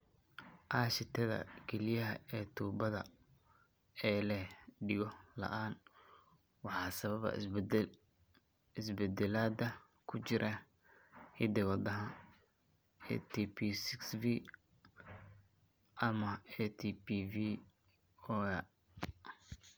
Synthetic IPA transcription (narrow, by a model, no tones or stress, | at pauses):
ʔaːʃɪt̪ʰɐðɐ̰kʰɛlɪjɐɦɐɛːt̪ʰuːbɐðɐ̰ | ɛːlɛɖɪɣɔlɐ̰ʔaːn | wɑħɑːsɐβɐβɐ̰ | ɪsbɛd̪ɛlaːd̪ɐ | kʰʊt͡ʃɪɾʔɐ | hɪd̪ɛwɐd̪ɐɦɐ | ɛ̰t̪ʰipʰisɪksvi | ʔɐmɐɛt̪ʰipivi | ɔɛ